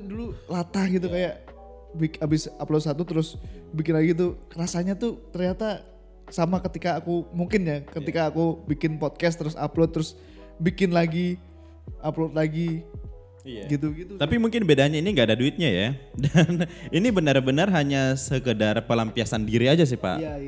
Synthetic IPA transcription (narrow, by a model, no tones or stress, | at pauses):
dululat̪ahɡit̪̬ukajaʔ | bikabɪsaplosat̪ut̪əɾʊsbikɪnlaɡit̪̬ukəɾasaɲat̪ut̪ərɲat̪a | samakət̪ikaːkumuŋkɪnjakət̪ikaːkubikɪnpɔt̪̚kɛs̬t̪ːəɾʊsa̰plot̪ːəɾʊs | bikɪnlaɡi | aplot̪̚laɡi | ɡit̪uɡit̪ut̪apimuŋkɪnbedaɲainiŋɡaːdaduɪt̪̚ɲajadaninibənərbənərɦaɲasəkədarpəlampiasandiɾiad͡ʒas̬ɪhpa̰ʔja